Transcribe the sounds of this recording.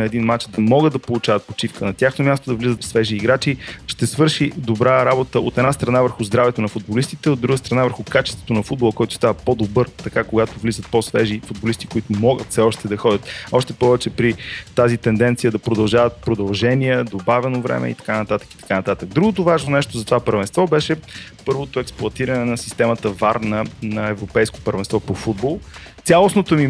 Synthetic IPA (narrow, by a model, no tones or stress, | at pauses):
ɐɛd̪inmat͡ʃd̪ɐmɔɡəd̪ɐpolˠʊt͡ʃavət̪̚pot͡ʃifkənɐt̪ʲjaxnomʲjast̪od̪ɐvlizət̪fsvɛʒiːɡɾat͡ʃiʃt̪ɛsvɤɾʃid̪obɾaɾabot̪əot̪ɛd̪nast̪ɾɐnavəɾxʊzd̪ɾavɛt̪onɐfud̪̚bolist̪it̪ɛod̪ɾuɡəst̪ɾɐnavəɾxʊkat͡ʃɛst̪vo̥t̪onɐfud̪̚bolˠkɔjt̪ʊ̥st̪avəpod̪obɤɾt̪ɐkakoɡat̪ovlizət̪̚posvɛʒifud̪̚bolist̪i̥koit̪ʊmɔɡət̪fsɛɔʃt̪ɛd̪ɐxɔd̪ʲət̪ɔʃt̪ɛpɔvɛt͡ʃɛpɾit̪azit̪ɛnd̪ɛnt̪sijəd̪ɐpɾod̪ɐlˠʒavət̪̚pɾod̪ɐlˠʒɛniɛd̪obavɛnovɾɛ̰mʔɛ̰ḭt̪ɐ̥kanɐt̪at̪ə̥kit̪ɐ̥kanɐt̪at̪ək̚d̪ɾuɡot̪ovaʒnonɛʃt̪ozɐt̪ovapəɾvɛnst̪vɔbɛʃɛpɤɾvot̪oɛksplˠʊɐt̪iɾənɛnɐsi̥st̪ɛmət̪əvaɾnənɐɛvɾopɛjsko̥pəɾvɛnst̪vɔpofud̪bolˠ | t̪sʲjalˠosnot̪omi